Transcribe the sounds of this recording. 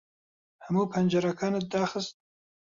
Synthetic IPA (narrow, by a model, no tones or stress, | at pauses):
hamuːpʰɐnd͡ʒɐɾakʰaːnɨt̪̚d̪aːxɨst̪̚